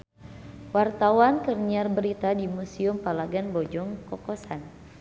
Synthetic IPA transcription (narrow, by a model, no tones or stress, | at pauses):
wart̪awankərɲiarbəɾit̪adimusiʊmpalaɡanbɔd͡ʒɔŋkɔkɔsan